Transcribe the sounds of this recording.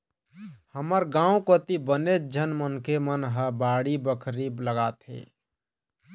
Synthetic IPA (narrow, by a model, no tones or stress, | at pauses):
həməɾɡãũkət̪ibəned͡ʒʱənmənkemənɦəbaɽibəkʰɾibləɡat̪ɦḛ